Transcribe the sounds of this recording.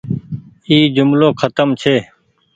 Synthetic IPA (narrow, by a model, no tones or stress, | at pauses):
iːd͡ʒʊmloːkʰət̪əmt͡ʃʰeː